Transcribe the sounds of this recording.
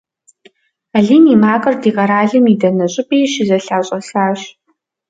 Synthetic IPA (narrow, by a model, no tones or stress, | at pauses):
aɮiːniːmaːkʼɐrdiːʁɐɾaːɮɨmidɐnɐɕʼɪpʼiːɕɪzɐɬaːɕʼɐsaːɕ